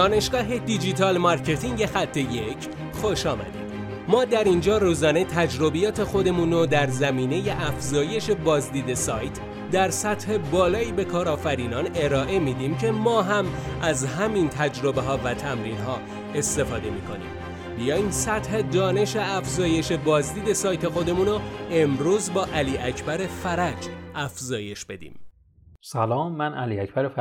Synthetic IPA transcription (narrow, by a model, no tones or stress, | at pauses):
d̪ɒːne̞ʃɡ̥ɒːɦe̞d̪id͡ʒit̪ʰɒːlmɒɾcʰe̞t̪ʰiŋɟe̞xæt̪ʰːe̞je̞cʰ | xo̞ʃɒːmæ̰d̪ḭːd̪̥ | mɒːd̪æɾind͡ʒɒːruːzɒːne̞t̪ʰæd͡ʒɾo̞bijɒːt̪ʰe̞xo̞d̪e̞muːnod̪æɾzæmiːne̞je̞ʔæfzɒːje̞ʃe̞bɒːzd̪iːd̪e̞sɒːjt̪ʰ | d̪æɾsæt̪he̞bɒːlɒːiːbe̞kʰɒːɾɒːfæɾiːnɒːne̞ɾɒːʔe̞miːd̪iːmcʰe̞mɒːɦæmʔæzɦæmint̪ʰæd͡ʒɾo̞be̞ɦɒːvæt̪ʰæmɾiːnɦɒː | e̞st̪e̞fɒːd̪e̞miːkʰo̞̰nḭːm | bijɒːinsæt̪he̞d̪ɒːne̞ʃeæfzɒːje̞ʃe̞bɒːzd̪iːd̪e̞sɒːjt̪ʰe̞xo̞d̪e̞munoe̞mɾuːzbɒːʔæliːæcʰbæɾe̞fæɾæd͡ʒʔæfzɒːje̞ʃb̥e̞d̪ḭːm | sælɒːmːænʔæliæcb̥æɾef